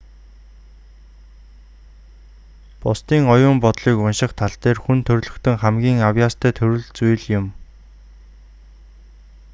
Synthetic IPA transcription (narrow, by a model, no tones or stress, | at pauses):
pʊst̪iːŋɔjʊːmpɔt̪ɮiːkʊnʃɪ̆χt̪ʰaɬt̪eːrxunt̪ʰɵrɮɵ̆xt̪ʰɵ̆ŋχæmɡʲiːŋawjaːst̪ʰæːt̪ʰɵɾɵ̆ɮt͡sujɮjʊm